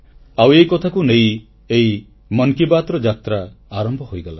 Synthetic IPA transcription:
awejkɔt̪ʰakunej | ej | mɔnkibat̪ɾɔd͡ʒat̪ɾaːɾɔmbʱɔɦojɡala

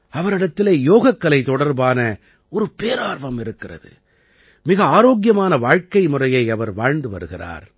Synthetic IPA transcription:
ɐʋɐɾɪɽɐt̪ːɪleːjoːɣɐkːɐlɐɪt̪ɔɽɐɾbaːnɐ | ɔɾɯpeːɾaːɾʋɐmɪɾɯkːɪrɐ̰ðɯ̰ | mɪɣɐaːɾoːɣɪjɐmaːnɐʋaːɻkɐɪmʊrɐjɐɪɐʋɐɾʋaːɻnd̪ɯʋɐ̰ɾɯɣɪra̰ːɾ

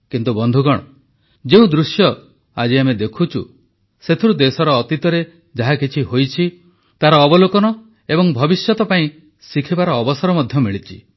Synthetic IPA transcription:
kint̪ubɔnd̪ʱuɡɔɽ̃ɔ | d͡ʒeũd̪ɾusjɔ | a̰d͡ʒiamed̪ekʰut͡ʃʰṵ | set̪ʰiɾud̪esɔɾɔːt̪it̪ɔɾe | d͡ʒaɦakʰit͡ʃʰiɦojt͡ʃʰi | t̪aɾɔːbɔlokɔnɔ | ebɔŋbʱɔbisjɔt̪ɔpaĩ | sikʰibaɾɔːbɔsɔɾɔmɔd̪ʱjɔmiɭit͡ʃʰi

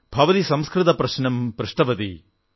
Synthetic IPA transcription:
bʱɐʋɐt̪isɐmskɾɨt̪ɐpɾɐʃnɐmpɾɪʂʈɐʋɐt̪ḭ

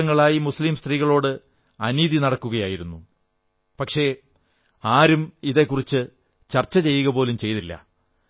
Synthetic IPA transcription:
ɐŋːɐɭaːjimuslimst̪riːɣɐɭo̞ːɽɨ | ɐniːðinɐɽɐkːuɣɐjaːjiɾunːu | pɐkʂe̞ | aːɾumiðekːurit͡ɕːɨ | t͡ɕɐrt͡ɕːɐt͡ɕe̞jːuɣɐpo̞ːlumt͡ɕe̞jt̪ilːɐ̰

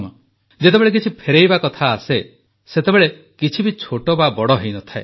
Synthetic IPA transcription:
mɔ | d͡ʒet̪ebeɭek̬it͡ʃʰipʰeɾejbakɔt̪ʰaːse | set̪ebeɭe | kit͡ʃʰibit͡ʃʰoʈɔbabɔɽɔɦejnɔt̪ʰae

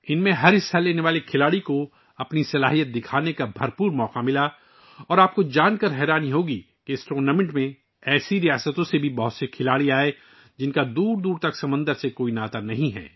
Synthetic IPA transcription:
ɪnmẽɦɐɾɦɪsalːeːneʋaːlekʰɪlaːɽiko | ɐpnisɐla̰ːɦijət̪̚d̪ɪkʰaːnekabʱɐɾpuːɾmɔːqamɪla | ɔːɾaːp̚kod͡ʒaːnkɐɾɦɛːɾaːniɦoːɡi | keɪsʈɾoːnaːmɪ̃ɳʈmẽ | ɛːsiɾijaːsət̪õsebʱibɐɦʊt̪sekʰɪlaːɽiaːe | d͡ʒɪnkad̪uːɾd̪uːɾt̪ɐksɐmə̃nd̪əɾsekoːinaːt̪anɐɦĩɦɛ̰ː

